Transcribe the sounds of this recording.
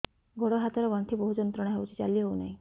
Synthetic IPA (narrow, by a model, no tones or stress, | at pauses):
ɡʱoɽɔɦat̪ɔɾɡɔɳt̪ʰiːboɦud͡ʑɔnt̪ɾɔɽ̃aɦewt͡ɕit͡salːiːɦowna̰ɦi